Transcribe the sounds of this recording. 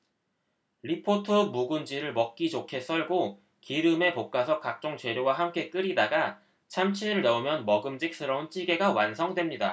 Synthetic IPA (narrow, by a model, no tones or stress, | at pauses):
ɾipʰotʰɯmuɡund͡ʑiɾɯɭmʌk̚k͈id͡ʑokʰe̞s͈ʌɭɡo | kiɾɯme̞pok̚k͈asʰʌkak̚t͡ɕ͈oŋt͡ɕwe̞ɾjoɡwaɦamk͈e̞k͈ɯɾidaɡa | t͡ɕʰamt͡ɕʰiɾɯɭneumjʌnmʌɡɯmd͡ʑik̚s͈ɯɾʌunt͡ɕ͈iɡe̞ɡawansʰʌŋdwe̞mɲida